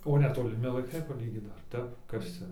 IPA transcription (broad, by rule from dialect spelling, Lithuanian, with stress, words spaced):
oː nʲɛtoːlʲɪˈmʲɪ lˠɐɪˈkɐɪ pɐˈlʲiːɡʲiːt ˈdɐr ˈtʲɛp ˈkɐs t͡sʲɛ